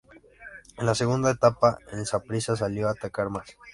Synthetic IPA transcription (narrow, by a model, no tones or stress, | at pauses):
enlaseɣund̪aet̪apaensapɾisas̬aljoat̪akaɾmas